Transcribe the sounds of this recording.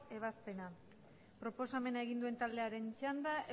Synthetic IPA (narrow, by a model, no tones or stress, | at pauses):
e̞β̞aspe̞na | pɾo̞po̞same̞nae̞ɣind̪ue̞nt̪ald̪e̞aɾe̞nt͡ʃand̪aʔe